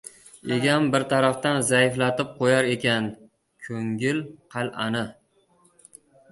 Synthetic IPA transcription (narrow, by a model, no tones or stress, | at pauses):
eɡʲambɪɾt̪ʰaɾaft̪anzajɪflat̪ɪp̚qʰojaɾe̞kʲan | kʲʰɵŋɪlqʰɑlʔanɪ